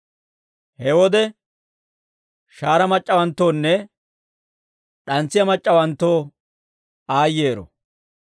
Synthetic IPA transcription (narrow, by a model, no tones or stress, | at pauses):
hɛwɔd̪ɛ | ʃaːɾɐmɐt͡ʃʼːɐwɐnt̪ːo̞ːnːɛ | ɗɐnt͡sːɪjɐmɐt͡ʃʼːɐwɐnt̪ːo̞ː | aːjːe̞ːɾɔ̰